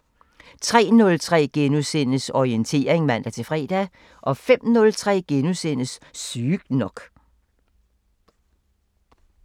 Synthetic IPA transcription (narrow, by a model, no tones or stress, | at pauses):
t͡sʰʁɛ̰ːnɔ̽lt͡sʰʁɛ̰ːɡ̥enusen̰əsɒient͡sʰe̝̰ːɐʁeŋmæn̰d̥æt͡sʰe̝fʁɛ̰ːd̥æ | ʔɒ̽fem̰nɔ̽lt͡sʰʁɛ̰ːɡ̥enusenəsːyːɡ̥nɒ̽ɡ̥